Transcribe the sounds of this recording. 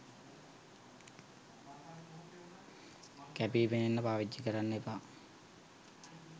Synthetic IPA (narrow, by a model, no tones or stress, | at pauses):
kæpiːpenenːəpaːʋid͡ʒːikəɾanːepa